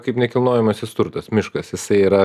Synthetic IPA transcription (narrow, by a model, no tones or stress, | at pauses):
kɐɪpnʲɛkʲɪlˠnoːjɛmɐsʲɪst̪ʊɾt̪ɐsmʲɪʃkɐsjɪsɐɪiːɾɐ